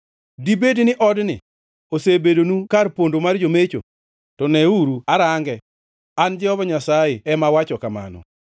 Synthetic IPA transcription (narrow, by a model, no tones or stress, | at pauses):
dibednɪʔɔdnɪ̰ | osebedonukarpondomard͡ʒomet͡ʃo̰ | tɔnɛuɾuaɾaŋɡɛ | and͡ʒɛɔbaɲasajeɛmawat͡ʃɔkama̰nɔ̰